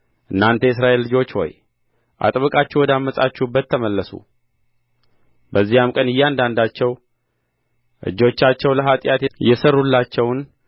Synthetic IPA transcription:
ʔɨnːant̪ʰəjɪsɾaʔe̞lːɨd͡ʒo̞t͡ʃːwɔ̰j | ʔa̰t̪ʼβɨkʼat͡ʃːɛwɔd̪amːəsʼat͡ʃːuhɨbːət̪ʰːəməlːəsṵ | bəzːihamkʼənɨjːand̪and̪at͡ʃːɛw | ʔɨ̰d͡ʒo̞t͡ʃːat͡ʃːɛwləɦat̪ʼjat̪jɛsərːulːat͡ʃːɛwn

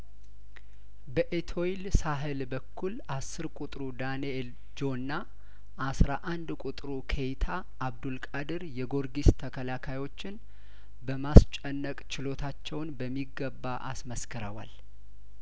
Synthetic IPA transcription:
bəʔet̪ʰo̞ilsaɦɨlbəkʰːul | asːɨɾkʼut̪ʼɾud̪aniel | d͡ʒo̞nːa | ʔasɾaʔand̪kʼut̪ʼɾukʰejt̪ʰa | ʔːβd̪ulkʼad̪ɨɾjɛɡo̞ɾɡist̪ʰəkʰəlakʰajwo̞t͡ʃːɪn | bəmast͡ʃʼɛnːəkʼt͡ʃɪlo̞t̪ʰat͡ʃːɛwnbəmːiɡəbːaʔa̰sməskʰəɾəwa̰l

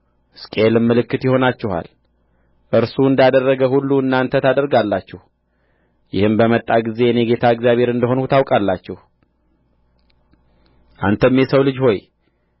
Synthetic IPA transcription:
skʼelɨmːɨlɨkːɨt̪jɪho̞nat͡ʃːɛha̰l | ʔɨɾsuɨnd̪ad̪ərːəɡəhulːuɨnːaɨnt̪ʰət̪ʰad̪əɾɡalːat͡ʃːɛh | jɪhɨmbəmət̪ʼːaɡize̞neɡe̞t̪ʰaɨɡzjaβhe̞ɾɨnd̪əɦo̞nhut̪ʰawkʼalːat͡ʃːɛh | ʔa̰nt̪ʰəmːjɛsəwlɨd͡ʒho̞j

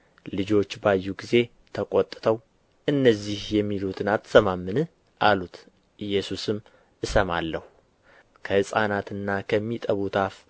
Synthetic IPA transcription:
lɨd͡ʒo̞t͡ʃːbajːuɡize̞ | t̪ʰəkʼot̪ʼːɨt̪ʰəw | ʔɨnːəzːihjɛmːilut̪ʰɨnat̪ʰsəmamːɨnɨ | ʔalut̪ | ʔɨjːɛsusɨm | ʔɨsəmalːəhu | kʰəhɨsʼanat̪ɨnːakʰəmːit̪ʼəβut̪ʰaf

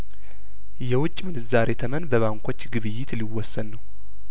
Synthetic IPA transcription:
jɛwʊt͡ʃʼːmɨnɨzaɾe̞t̪ʰəmənbəβaŋkʷʰo̞t͡ʃːɡɨβɨjːɪt̪liwːɔsːənnəw

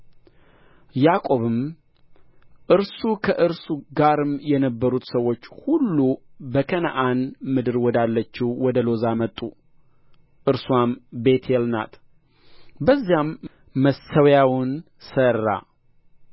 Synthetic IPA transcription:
jakʼo̞βɨm | ʔɨɾsukʰəʔɨɾsuɡaɾɨmjɛnəbːəɾut̪səwo̞t͡ʃːhulːubəkʰənaʔanmɨd̪ɨɾwɔd̪alːət͡ʃːiwwɔd̪əlo̞zamət̪ʼu | ʔɨɾswambe̞t̪ʰelna̰t̪ | bəzːijamː | əsəwjawʊn | sərːa̰

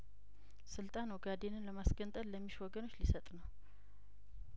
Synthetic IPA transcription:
sɨlt̪ʼanwɡad̪enɨnləmasɡənt̪ʼəlləmːiʃwɔɡəno̞t͡ʃːlisət̪ʼnəw

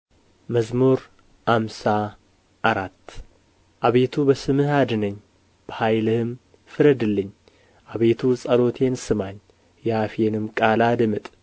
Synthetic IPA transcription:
məzmuɾ | hamsa | ʔaɾat̪ː | ʔaβe̞t̪ʰubəsɨmɨhad̪ɨnəɲː | b̥əhajlɨhɨm | fɨɾəd̪ɨlːɨɲː | ʔaβe̞t̪ʰusʼɐlo̞t̪ʰe̞nsɨmaɲ | jafenɨmkʼalad̪ɨmɨt̪ʼ

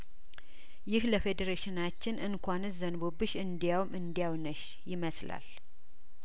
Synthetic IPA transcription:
jɪhləfed̪əɾeʃɪnat͡ʃːɪnʔɨŋkʰʷanɨszənbobɨʃɨnd̪ijawmʔɨnd̪ijawnəʃ | jɪməsla̰l

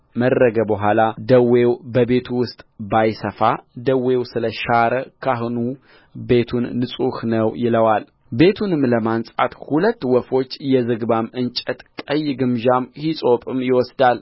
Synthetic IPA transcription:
mədɾəɡəbəɦʷalad̪əwewbəbe̞t̪ʰuwʊst̪ʼbajsəfad̪əwewsɨləʃaɾəkʰaɦnu | be̞t̪ʰunːɨsʼuhnəwjɪləwal | be̞t̪ʰunɨmləmansʼa̰t̪hulət̪ːwɔfo̞t͡ʃːjɛzɨɡbamɨnt͡ʃʼət̪kʼəjːɪɡɨmʒamhisʼo̞pʼɨmjɪwɔsd̪al

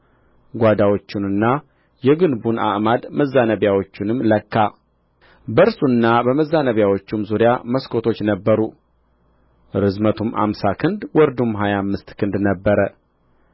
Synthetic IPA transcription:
ɡʷad̪awo̞t͡ʃːɪnɨnːa | jɛɡɨnbuna̰ʔmad̪məzːanəβjawo̞t͡ʃːɪnɨmːləkːa | bəɾsunːabəməzːanəβjawo̞t͡ʃːumzuɾjaməskʰo̞t̪ʰo̞t͡ʃːnəbːəɾu | ɾɨzmət̪ʰumʔa̰msakʰɨnd̪wɔɾd̪umɦajamːɨst̪kʰɨnd̪nəbːəɾə

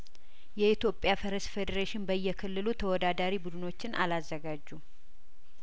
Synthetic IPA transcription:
jɛit̪jo̞pʼːjafəɾəsfed̪əɾeʃɪnbəjːɛkʰɨlːɨlut̪ʰəwɔd̪ad̪aɾibud̪ɨno̞t͡ʃːɪnʔa̰lazːəɡad͡ʒːu

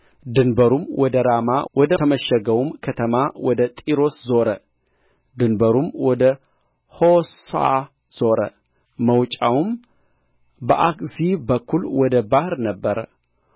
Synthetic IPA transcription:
d̪ɨnbəɾumwʔɔd̪əɾamawʔɔd̪əəməʃəɡəwumkʰət̪ʰəmawɔd̪ət̪ʼiɾo̞szo̞ɾə | d̪ɨnbəɾumwɔd̪ə | ho̞sa̰ | z̥o̞ɾə̰ | məwt͡ʃʼawum | bəʔakʼzibəkʰːulwɔd̪əbahɾnəbːəɾə̰

